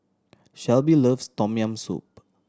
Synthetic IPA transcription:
ʃɛlbiləfstɔ̃miãmsṵp̚

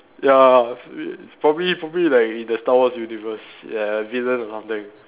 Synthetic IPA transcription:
ja | spɹɔbəblipɹɔbəblilaɪkĩndəstawɔsjunivəslaəvilə̃nɔsãmt̪ɪ̃ŋ

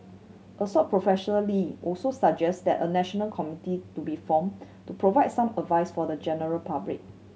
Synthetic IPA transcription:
ʔəsɔt̚pʰɹofɛʃɔnəliʔɔlsosak̚d͡ʒɛstdɛ̰tə̰nɛʃɔnəlkʰɔmititubifɔ̃m | tupɹovaɪd̚sãmədvaɪsfɔdəd͡ʒɛnəɹəlpablɪ̰k̚

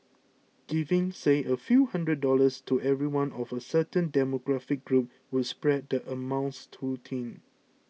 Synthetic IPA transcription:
ɡ̥ivɪ̃ŋseʔəfjuhãndɹəd̚dɔləstʰuʔɛvɹiwãnʔɔvəsətə̃ndɛmoɡɹafɪk̚ɡ̥ɹup̚ | wɪdspɹɛd̚dəʔəmãʊ̃nstʰutʰĩn

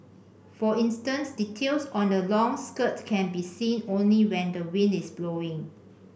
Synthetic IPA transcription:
fɔĩnstə̃nsditʰelsɔ̃ndəlɔ̃ŋskətkʰɛ̃nbisĩnõnliwɛ̃ndəwĩnɪsbloɪ̃ŋ

